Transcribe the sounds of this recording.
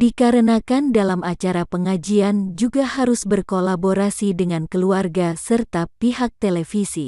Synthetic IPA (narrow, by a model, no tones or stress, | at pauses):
dikaɾənakandalamat͡ʃaɾapəŋad͡ʒiand͡ʒuɡahaɾʊsbərkolaboɾasidəŋankəluarɡasərt̪apiɦak̚t̪elɛfisi